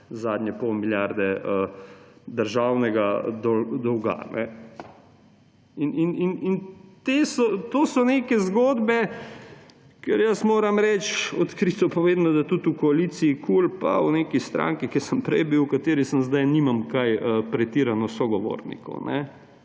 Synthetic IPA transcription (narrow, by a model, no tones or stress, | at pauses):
zaːd̪nʲɛpɔwmiljaɾd̪ɛə | d̪əɾʒawnɛɡad̪ɔd̪ɔwɡa̰nɛ̰ | inininint̪esɔt̪oːsɔneːkɛzɡoːd̪bɛ | kɛɾjəsmoːɾamɾɛt͡ʃɔt̪kɾit̪ɔpɔʋeːd̪nɔd̪at̪ut̪ukɔalit̪siːkʰulpa̰uneːkist̪ɾʔa̰ːŋkikɛsəmpɾɛjbiwkat̪eːɾisəmzd̪ajniːmamkajəpɾɛt̪iːɾanɔsɔɡɔʋo̰ːɾnḭkɔ̰wnɛ